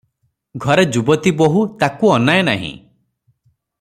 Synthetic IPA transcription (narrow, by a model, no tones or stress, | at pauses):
ɡʱɔɾed͡ʒubɔt̪iboɦut̪akuɔnaena̰ɦḭ̃